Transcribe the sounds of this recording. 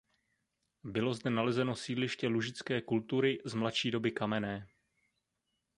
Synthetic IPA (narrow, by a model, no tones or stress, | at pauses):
bɪlo̞zdɛnalɛzɛno̞siːdlɪʃcɛluʒɪt͡skɛːkult̪uɾɪzmlatʃiːdo̞bɪkamɛnɛː